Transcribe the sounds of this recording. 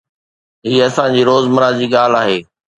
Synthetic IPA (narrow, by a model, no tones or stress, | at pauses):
ɦiːɐsãd͡ʑiːɾoːzməɾad͡ʑiːɠaːl̤aːɦeː